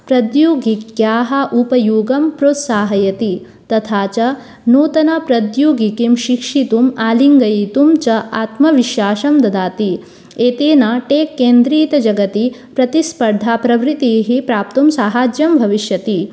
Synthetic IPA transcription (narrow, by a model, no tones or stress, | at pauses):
pɾɐd̪joːɡikjaːɦɐ̆ʔupɐjuːɡɐmpɾoːt̪saːɦɐjɐt̪i | t̪ɐt̪ʰaːt͡ʃɐ | noːt̪ɐnapɾɐd̪juːɡikimʃikʂit̪umaːliŋɡɐjit̪umt͡ʃɐʔaːt̪mɐʋiʃjaːʃɐmd̪ɐd̪aːt̪i | eːt̪eːnaʈeːkːeːnd̪ɾiːt̪ɐd͡ʒɐɡɐt̪ipɾɐt̪ispɐɾd̪ʱaːpɾɐʋɾit̪iːɦipɾaːp̚t̪umsaːɦaːd͡ʒjɐmbʱɐʋiʃjɐt̪i